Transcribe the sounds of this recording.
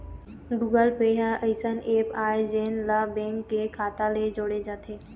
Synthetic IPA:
ɡuːɡəlpeːɦaʔəɪsəneːpaːed͡ʒenlabẽŋkːekʰaːt̪aled͡ʒoːɽed͡ʒaːt̪ʰeː

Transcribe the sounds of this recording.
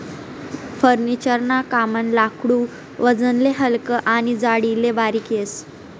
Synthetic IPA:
fəɾnit͡ɕəɾnakamənlakʰɽu | ʋəd͡zənleɦəlkəʔaɽ̃id͡zaɽilebaɾikjes

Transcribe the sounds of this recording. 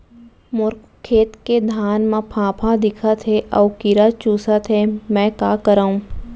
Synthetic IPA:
mʊɾk | kʰːeːt̪ked̪ʱaːnmãpʰãːpʰãd̪ɪkʰat̪ʰɦeʔɐːʋkiɾat͡ʃuːsat̪ʰɦɛmɛ̃ːkaːkəɾaːũː

